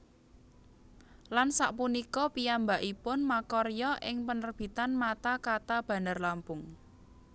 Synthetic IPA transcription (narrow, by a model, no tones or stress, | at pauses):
lansaʔpunikɔpijambaʔipʊnmakɔrjɔʔɪŋpənərb̥i̤t̪anmat̪akat̪ab̥ä̤nərlampʊŋ